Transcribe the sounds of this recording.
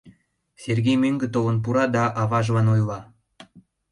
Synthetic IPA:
serɣejmøŋɡĕt̪olə̆np̬uɾɑd̪ɑʔɑβɑʒlɑnojlɑ

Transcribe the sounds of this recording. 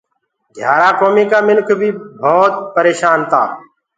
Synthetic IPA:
d̪ʱjaːɾaːkoːmiːkaːmɪnkʰbʱiːbʱɔːt̪̚pəɾeːʃaːnt̪ʰa̰ː

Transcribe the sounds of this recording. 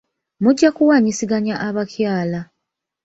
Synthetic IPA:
muɟːakuwaɲisiɡaɲaʔaβakjaːla

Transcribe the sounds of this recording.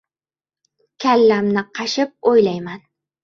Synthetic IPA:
kʲʰalːamnɪqʰɑʃɪp̚ojlajman

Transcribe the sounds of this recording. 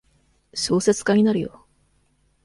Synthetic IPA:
ɕo̞ːse̞t͡sɨ̥kaɲ̟inaɾɯ̟jo̰

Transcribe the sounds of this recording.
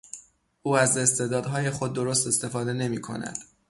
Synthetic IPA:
ʔuːæze̞st̪e̞d̪ɒːd̪ɦɒːje̞xo̞d̪ːo̞ɾost̪e̞st̪e̞fɒːd̪e̞ne̞miːkʰo̞̰næ̰d̪̥

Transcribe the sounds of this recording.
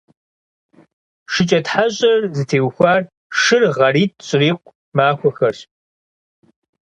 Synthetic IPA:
ʂɨt͡ʃʼɐtħaɕʼɐrzɨtʰeːwxʷaːr | ʂɨrʁɐriːt̚ʰʼɕʼɪriːqʷ | maːxʷɔxɐrɕ

